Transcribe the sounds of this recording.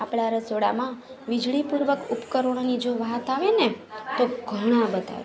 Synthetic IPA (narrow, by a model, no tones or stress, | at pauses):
apɽaɾəsoɽa̰mã | ʋid͡ʒɭipuɾʋəkupkəɾoɽ̃nid͡ʒoʋat̪aʋenet̪oɡʱəɽ̃ãbət̪a̰ʋe